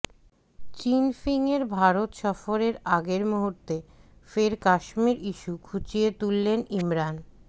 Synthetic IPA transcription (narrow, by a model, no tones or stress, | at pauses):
t͡ɕinfiŋeɾbʱaɾot̪ʃɔfoɾeɾaɡeɾmuɦuɾt̪efeɾkaʃmiɾiʃukʰut͡ɕiet̪ulːenimɾan